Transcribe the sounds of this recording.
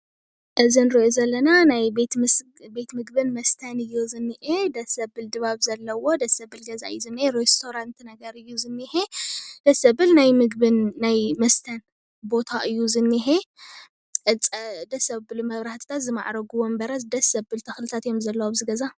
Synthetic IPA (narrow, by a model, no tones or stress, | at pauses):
ʔɨzinɾɨʔozɐlːɐnanajbet̪ | be̞t̪mɨɡbɨnmɐst̪ʰɐnɨjːuzɨnːɨʔed̪ɐsɐbɨld̪ɨβaβzɐlːɐwo̞d̪ɐsɐbɨlɡɐza̰ɨjzɨnːiheɾest̪ʰo̞ɾant̪nɐɡɐɾɨjːuzɨnːihed̪̥ɐsɐbɨlnajmɨɡbɨnːajmɐst̪ʰɐn | bo̞t̪ʰaʔɨjːuzɨnːiɦe | ʔɨt͡sʼd̪ɐsɐbɨlumɐβɾaht̪ʰi̥t̪ʰat̪zɨma̰ʕɾɐɡuwombɐɾɐsd̪ɐsɐbɨlt̪ʰɐxlɨt̪ʰat̪jomzɐlːɐwobzɨɡɐza